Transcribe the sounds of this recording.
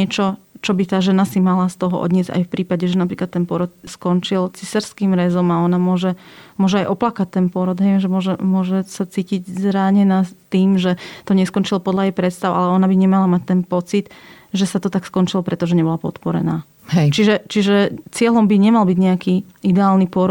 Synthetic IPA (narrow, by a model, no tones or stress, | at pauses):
ɛt͡ʃɔ | t͡ʃɔbit̪aːʒɛnasimalast̪ɔɦɔʔɔ̰d̪ɲɪɛd͡za̰jfpɾiːpaɟɛʒɛnapɾiːklat̪ːɛnpʊɔɾɔt̪̚skɔnt͡ʃilt͡sisaɾskiːmɾɛzɔmaɔnamʊɔʒɛmʊɔʒɛajʔɔplakac̚t̪ːɛnpʊɔɾɔd̪ɦɛjʒɛmʊɔʒɛmʊɔʒɛsat͡siːciɟzɾaɲɛnat̪iːmʒɛt̪ɔɲɛskɔnt͡ʃilpɔd̪ʎajɛjpɾɛt̪st̪aʊʔa̰lɛɔnabiɲɛmalamac̚t̪ɛnpɔt͡sit̪ | ʒɛsat̪ɔt̪akskɔnt͡ʃilɔpɾɛt̪ɔʒɛɲɛbɔlapɔt̪pɔɾɛ̰naː | ɦɛt͡ʃiʒɛt͡ʃiʒɛt͡sɪɛlɔmbiɲɛmalbiɟɲɛaki | id̪ɛaːlnipʊɔɾ